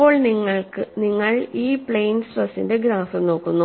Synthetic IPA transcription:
pːo̞ːɭniŋːɐɭkɨniŋːɐɭiːpɭejnsrɐsḭnde̞ɡɾaːfɐmno̞ːkːunːu

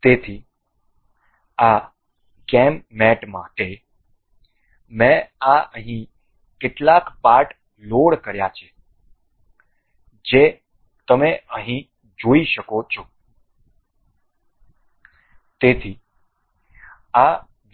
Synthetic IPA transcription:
t̪et̪ʰi | a | kɛmːɛʈma̰ʈe | mɛ̃aəɦĩ | keʈlakpaɾʈ | loɽkəɾjat͡ʃʰe | d͡ʒe | t̪əmeəɦĩ | d͡ʒoiʃəkot͡ʃʰo | t̪et̪ʰi | a

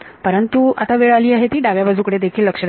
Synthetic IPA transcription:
pəɾənt̪uat̪aʋeɭaliːaɦet̪iːɖaɡjabad͡zʱukəɽed̪ekʰiːlːəkʂə

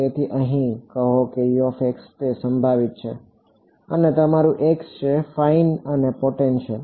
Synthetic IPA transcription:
et̪ʰiʔəɦĩkəɦokejofekst̪esə̃mbʱaʋit̪̚t͡ʃʰe | ənet̪əmaɾũʔekst͡ʃʰefainənepoʈenʃʰe

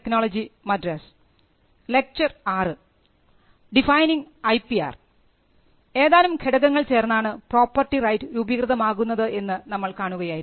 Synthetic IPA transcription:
ekno̞ːɭɐd͡ʑimɐdrɐs | le̞k̚t͡ɕɐraːrɨ | ɖifɐjniŋɡɐjpːia̰ːr | e̞ːðaːlumkʰeɽɐɣɐŋːɐɭt͡ɕe̞ːrnːaːɳɨpro̞ːpːɐrʈːirɐjtːɨɾubikrɨðɐmaːɣunːɐðɨʔe̞nːɨnɐmːɐɭkaːɳuɣɐjaːjiɾ

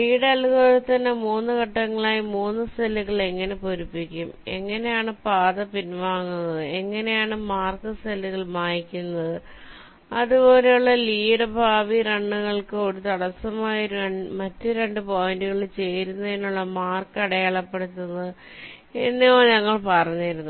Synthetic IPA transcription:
liːɽɐlɣoɾt̪ɐnːe̞muːnːɨkɐʈːɐŋːɐɭaːjimuːnːɨst̪ɐlːuɣɐɭe̞ŋːɐne̞poɾupːikʲːume̞̰ŋːɐne̞jaːɳɨpaːðɐpinʋaːŋːunːɐðɨe̞ŋːɐne̞jaːɳɨmaːrkɨst̪ʰɐlːuɣɐɭmaːjikʲːunːɐðɨ | ɐðubo̞ːle̞juɭːɐliːɽɐbʱaːʋiɾɐɳːuɣɐɭkɨoːɽit̪ɐɽɐsɐmaːjɐɾmɐtːɨɾe̞ɳɖɨpo̞ːjinduɣɐɭt͡ɕe̞jɾunːɐenːuɭːɐmaːrkɐɽɐjaːɭɐpːe̞ɽut̪ːunːɐð | enːejoːɲɐŋːɐɭpɐrɐɲːijɾunːu

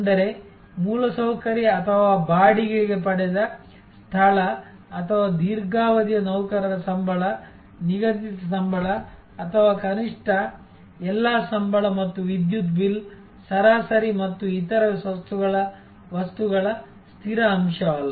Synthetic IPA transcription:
ɐnd̪ɐɾe̞ | muːlɐsɐwkɐɾjiɐt̪ʰɐʋaːbaːɽiɡɐɭiɡe̞pɐɽɛd̪ɐ | st̪ʰɐɭɐː | t̪ʰɐʋaːd̪iːɾɡaːʋɐd̪jɐnɐwkɐɾɐd̪ɐsɐmbʱɐɭɐ | niɡɐt̪it̪ɐsɐmbʱɐɭɐː | t̪ʰɐʋaːkɐniʂʈɐ | ɛlːaːsɐmbʱɐɭɐmɐt̪ːuʋid̪jut̪bil | sɐɾaːsɐɾimɐt̪ːuit̪ɐɾɐsʋɐst̪uɡɐɭɐ | ʋɐst̪uɡɐɭɐ | st̪ʰiɾɐɐmʃɐɐlː

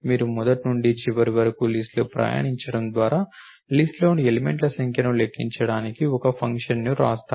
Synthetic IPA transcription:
miːɾumɔd̪ɐʈnuɳɖit͡ʃiʋɐɾiʋɐɾɐkulisʈloːpɾɐ̰ːja̰ːɳiɲt͡ʃɐɽɐmd̪ʋaːɾaː | lisʈlo̞ːnielimeɳʈlɐsɐŋkʰjɐnɐmlekʰːiɲt͡ʃɐɽaːnikiɔkɐpʰɐŋkʂɐnnuɾa̰ːst̪a

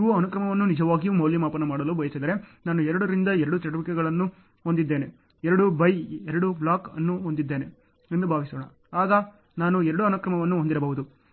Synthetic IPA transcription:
iʋuɐnukɾɐmɐʋɐnːunid͡ʒɐʋaːɡijumɐwljimaːpɐnɐmaːɽɐlubɐjɐsid̪ɐɾe̞naːnuɛɾɐɽuɾind̪ɐɛɾɐɽut͡ʃɐʈuʋikɛɡɐɭɐnːu | ond̪id̪ːe̞ːne | ɛɾɐɽubɐjɛɾɐɽublaːkɐ̰nːuɦond̪id̪ːe̞ːne̞ | end̪ubʱaːʋisoːɳɐ̰ | aːɡɐ | naːnuɛɾɐɽuɐnukɾɐmɐʋɐnːuond̪iɾɐbɐɦud̪u

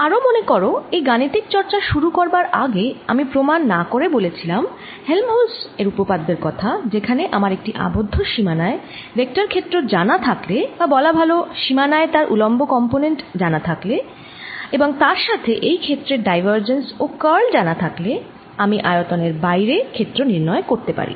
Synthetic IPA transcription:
aɾomonekoɾoejɡanit̪ik̚t͡ɕɔɾt͡ɕaʃuɾukoɾbaɾʔaɡeamipɾomanːakoɾebolet͡ɕʰilam | helmoseɾupopad̪ːeɾkɔt̪ʰad͡ʑekʰaneʔamaɾek̚ʈiʔa̰bod̪ʱːoʃimanae | ɾek̚ʈaɾkʰet̪ːɾod͡ʑanat̪ʰaklebabɔlabʱaloʃimanaet̪aɾʔulɔmbokɔmponeɳʈd͡ʑanat̪ʰakle | eboŋt̪aɾʃat̪ʰeʔejkʰet̪ːɾeɖajvəɾd͡ʑensokəɾld͡ʑanat̪ʰakle | amiʔaeot̪oneɾbajɾekʰet̪ːɾoniɾnɔekoɾt̪epa̰ɾḭ

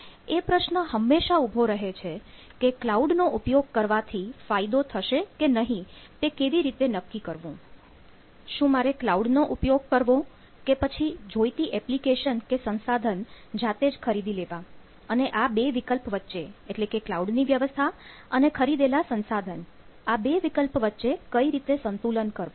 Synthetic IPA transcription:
epɾəʃnəɦəmːeʃaubʱoɾəɦet͡ʃʰe | keklauɖnoʔupjoɡ̚kəɾʋat̪ʰifajd̪ot̪ʰəʃekenəɦĩt̪ekeʋiɾit̪enəkːikəɾʋũ | ʃũmaɾeklauɖnoʔupjoɡ̚kəɾʋõ | kepət͡ʃʰid͡ʒojt̪iʔɛplikeʃənkesənsad̪ʱən | d͡ʒat̪ed͡ʒkʰəɾid̪ʱileʋã | əneʔabeʋikəlpʋətːʃeeʈlekeklauɖniʋjəʋəst̪ʰa | ənekʰəɾid̪elasənsad̪ʱən | abeʋikəlpʋətːʃekəiɾit̪esənt̪ulənkəɾʋõ

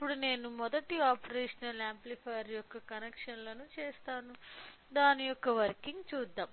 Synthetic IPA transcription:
ipːuɽune̞ːnumɔd̪ɐʈiaːpɐɾeːʂɐnɐlaːmplipʰaːɾjɔkːɐkɐnekʂɐnlɐnut͡ʃeːst̪aːnu | d̪aːnijɔkːɐʋɐɾkiŋɡt͡ʃuːd̪ːaːm

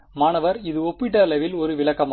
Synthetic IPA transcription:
maːnɐʋɐɾɪðɯɔpːɪʈ̬ːɐlɐʋɪlɔɾɯʋɪɭɐkːɐm

